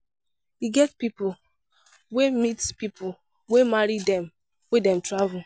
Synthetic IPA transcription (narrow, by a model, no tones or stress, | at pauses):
iɡɛtpipʊl | wemitspipʰʊl | wemaɾidɛ̃m | wedɛ̃mtɹavʊl